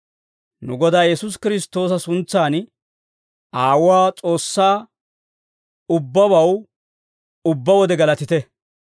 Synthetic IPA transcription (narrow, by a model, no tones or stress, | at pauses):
nʊɡɔd̪aːjɛsʊs̬kɪɾɪs̬t̪o̞ːs̬ɐsʊnt͡sːaːn | aːwʊwaːt͡sʼo̞ːsːaː | ʊbːɐbɐw | ʊbːɐwɔd̪ɛɡɐlɐt̪ɪt̪ɛ